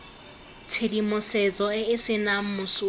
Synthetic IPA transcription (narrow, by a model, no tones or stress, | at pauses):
t͡sʰedimʊsɛt͡sʼɔɪɪsɪnam̩mʊsʊ